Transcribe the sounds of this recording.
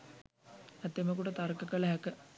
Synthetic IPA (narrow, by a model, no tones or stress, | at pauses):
æt̪ːeməkuʈət̪aɾkəkələɦækə